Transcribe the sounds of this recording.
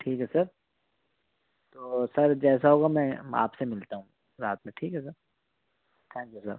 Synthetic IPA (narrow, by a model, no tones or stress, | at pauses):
ʈʰiːkɦɛsɐɾ | t̪oːsɐɾd͡ʒɛːsaɦoːɡamɛ̃a̰ːpsemɪlt̪aɦũ | ɾaːt̪mẽʈʰiːkɦɛsɐɾ | t̪ʰɛ̃ːŋkjusɐ̰ɾ